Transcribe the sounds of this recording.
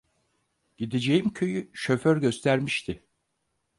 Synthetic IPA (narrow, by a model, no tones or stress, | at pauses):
ɟ̥id̪ed͡ʒe̞jimcʰøjyʃø̞føɾɟø̞st̪ʰæɾmiʃt̪ʰɪ